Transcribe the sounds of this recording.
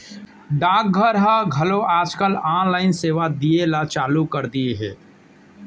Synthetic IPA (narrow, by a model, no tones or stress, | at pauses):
ɖaːk̚ɡʱəɾɦaɡʱɐloaːd͡ʒkəlaːnlaːɪnseːʋad̪ielat͡ʃaːlukəɾd̪ieɦɛː